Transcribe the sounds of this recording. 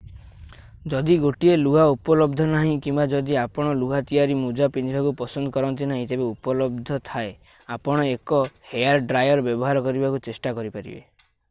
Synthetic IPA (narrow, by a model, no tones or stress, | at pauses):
d͡ʒɔd̪iɡoʈieluɦaupɔlɔbd̪ʱɔnaɦĩkimbad͡ʒɔd̪iapɔɽ̃ɔluɦat̪ijaɾimud͡ʒapind̪ibakupɔsɔnd̪ʱɔkɔɾɔnt̪inaɦĩt̪ebeupɔlɔb̚d̪ʱɔt̪ʰae | apɔɽ̃ɔekɔhejaɾɖɾajɔɾɔbjɔbɔɦaɾɔkɔɾibakut͡ʃesʈakɔɾipaɾḭbḛ